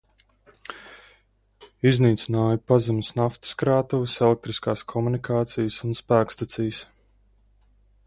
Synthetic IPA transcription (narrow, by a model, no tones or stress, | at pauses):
izniːt̪sinaːjupazɛmsnaft̪u̥skɾaːt̪uvisɛlek̚t̪ɾiskaːskʰɔmunikʰaːt̪sijsunspæːkst̪at̪sijs